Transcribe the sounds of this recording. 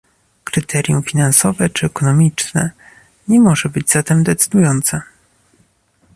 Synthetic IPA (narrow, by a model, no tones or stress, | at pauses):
kɾɘt̪ʰɛɾʲjṵ̃fʲinansɔvɛt͡ʂɘɛkɔnɔmʲit͡ʂnɛ̰ | ɲɛmɔʐɛbɘd͡ʑzat̪ɛmd̪ɛt̪sɘ̥d̪ujɔnt̪sɛ